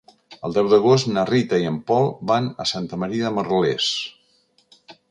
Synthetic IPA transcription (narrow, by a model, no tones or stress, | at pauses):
əlˠd̪ɛwd̪əɣ̞ost̪nərit̪əiəmpɔlˠbanəsant̪əməɾiəðəməɾles